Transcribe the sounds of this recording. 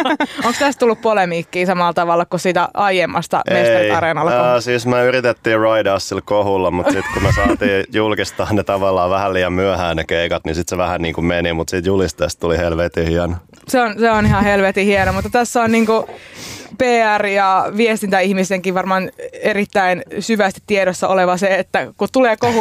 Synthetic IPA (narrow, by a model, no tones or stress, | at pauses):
oŋkst̪æst̪t̪ulːuppolemiːkːiːsɑmɑlt̪ɑʋɑlːɑkusiːt̪æɑijemːɑst̪ɑ̰mest̪ɑriɑrenɑlːɑsiːsmøyrit̪et̪ːiːrɑidɑːssilkohulːɑmut̪sit̪kumesɑːt̪iːjulkist̪ɑːnet̪ɑʋɑlːɑːʋæhælliːjɑmmyæhæːnnekeikɑt̪nisit̪seʋæhænniːŋkummenimut̪siːt̪julist̪est̪t̪ulihelʋet̪ihiɛno | seonseonihɑhelʋet̪ihienomut̪ːɑt̪æsːæonniːŋku | peːærjɑʋiest̪int̪æihmiseŋkiʋʋɑrmɑːnerit̪ːæinsyʋæst̪i̥t̪t̪ːieɾosːɑʔoleʋɑseet̪ːækut̪uleːkohu